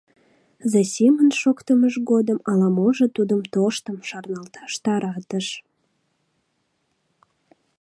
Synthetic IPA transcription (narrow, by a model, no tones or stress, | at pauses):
zɑsʲimənʃokt̪əməʃɣod̪əmɑlɑmoʒət̪ud̪əmt̪oʃt̪əmʃɑrnɑlt̪ɑ̥ʃt̪ɑɾɑt̪əʃ